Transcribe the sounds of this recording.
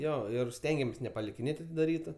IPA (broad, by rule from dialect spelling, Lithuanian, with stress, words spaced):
ˈjoː ˈɪr ˈsʲtʲɛŋʲɡʲɛmʲeːs nʲɛpɐlʲɪkʲɪˈnʲeːtʲ ɐtʲɪdɐˈrʲiːtʊ